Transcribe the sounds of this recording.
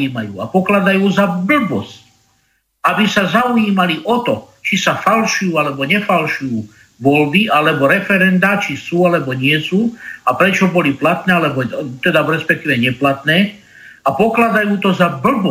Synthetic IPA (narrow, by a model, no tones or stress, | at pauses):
iːmajṵːa̰pɔklad̪ajuːzabl̩bɔsc | abisazaujiːmaliʔɔt̪ɔ | t͡ʃisafalʃujuːalɛbɔɲɛfalʃujuː | ʋɔlbialɛbɔɾɛfɛɾɛnd̪aːt͡ʃisuːalɛbɔɲɪɛsuːapɾɛt͡ʃɔbɔliplat̪nɛːalɛbɔt̪ɛd̪aɾɛspɛk̚t̪iːʋɛɲɛplat̪nɛː | apɔklad̪ajuːt̪ɔzabl̩bɔ